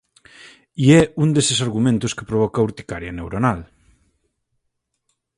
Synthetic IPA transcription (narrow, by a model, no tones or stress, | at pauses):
iɛund̪esɪsaɾɣumẽnt̪ʊske̥pɾoβ̞ɔkɐuɾt̪i̥kaɾjɐnewɾonal